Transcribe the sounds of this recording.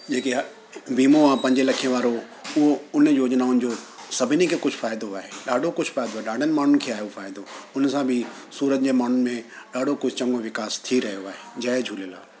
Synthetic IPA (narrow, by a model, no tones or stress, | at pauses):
d͡ʑeːkeɦ | ʋiːmoãːpɐ̃ɦɪɲd͡ʑelɐkʰiẽʋaːɾo | ʊɦoʊn̤joːd͡ʑnaʊnɪ̆d͡ʑoːsɐbʱɪnekʰeːkʊd͡ʑʱʊfaːjɪd̪oaːɦeɗaːɖʱokʊd͡ʑʱʊfaːɪd̪oaːɦeɗaːɖʱənɪ̆maːɳ̤unkʰeaːɦjofaːɪd̪oʊnsãbʱɪ | suːɾət̪̚d͡ʑeːmaːn̤ʊnɪ̆mẽɗaːɖʱokʊd͡ʑʱʊt͡ɕɐ̃ŋɡoʋɪkaːst̪ʰiɾɐɦijoaːɦed͡ʑaːed͡ʑʱuːlela̰ː